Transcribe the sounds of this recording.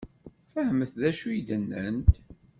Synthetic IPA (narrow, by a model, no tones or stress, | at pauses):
fəhəməθðæʃujid̪ənːənt̪